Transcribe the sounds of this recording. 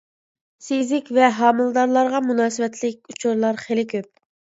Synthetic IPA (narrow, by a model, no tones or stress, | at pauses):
sizɪkʲvɛɦɑːmɨlˠd̪ɑɾlˠɑɾʁɑmunɑːsɨwɛt̪lɪkʲut͡ʃʰuɾlˠɑɾχelɪkʲøp̚